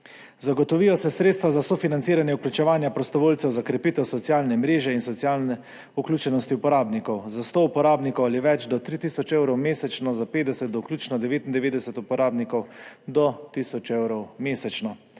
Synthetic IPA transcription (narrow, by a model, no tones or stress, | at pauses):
zaɡɔt̪ɔʋijɔsɛsɾeːt̪st̪ʋazasɔfinant̪siːɾanjɛuklʲut͡ʃɛʋaːnjapɾɔst̪ɔʋoːlsɛwzakɾɛpiːt̪ɛwsɔt̪sjaːlnɛmɾeːʒɛinsɔt̪sjaːlnɛ | uklʲjuːt͡ʃɛnɔst̪iupɔɾaːbnikɔwzast̪oupɔɾaːbnikɔwaliʋɛd͡ʒd̪ɔt̪ɾit̪iːsɔt͡ʃewɾɔwmeːsɛt͡ʃnɔzapeːt̪d̪ɛsɛt̪̚d̪ɔuklʲjuːt͡ʃnɔd̪ɛʋeːt̪ind̪ɛʋeːd̪ɛsɛt̪upɔɾʔaːbnikɔwd̪ɔt̪iːsɔt͡ʃewɾɔwmeːsɛt͡ʃnɔ